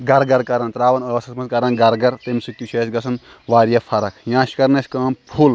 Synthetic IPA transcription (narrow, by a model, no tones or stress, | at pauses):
ɡɐɾɡɐɾkɐɾɐnt̪ɾaːʋɐnɐɐsɐsmɐnskɐɾɐnɡɐɾɡɐɾt̪emsik̚t̪ut͡ʃʰeːsɡɐsʰɐn | ʋaːɾjɐpʰɐɾɐkʰjãːʃkɐɾnesʲkɐːmpʰul